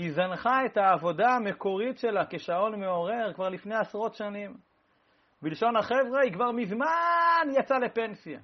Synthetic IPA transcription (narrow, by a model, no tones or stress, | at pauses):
izanχae̞t̪aːvo̞daame̞ko̞ʁitʃe̞lakeʃao̞nme̞o̞ʁe̞ʁkvaʁlifne̞jasʁo̞tʃanim | bilʃo̞naχevʁeikvaʁmizmanjat͡sale̞pe̞nsija̰